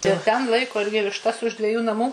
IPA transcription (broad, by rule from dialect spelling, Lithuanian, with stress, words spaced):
ɪr ˈtʲɛn ˈlˠɐɪkoː ˈɪrʲɡʲɪ ʋʲɪʃˈtɐs ʊʃ dʲʋʲɛˈjuː nɐˈmuː